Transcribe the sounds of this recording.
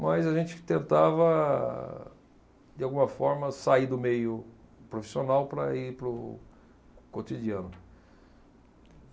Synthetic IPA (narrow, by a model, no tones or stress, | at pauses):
mɐzɐʒẽnt͡ʃɪ̥t̪ẽnt̪avɐ | d͡ʒ̪ɪawɡũmɐfɔɾmɐsaid̪ʊmejʊ | pɾofi̥sionawpɾɐ̰iɾpɾʊ | kot̪id͡ʒiɐ̃nʊ